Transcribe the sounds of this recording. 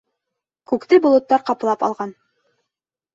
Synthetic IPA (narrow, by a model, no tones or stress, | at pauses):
kʉkt̪ɘbŏlˠɤ̆t̪ːɑɾqɑplˠɑpɑ̰lˠʁɑn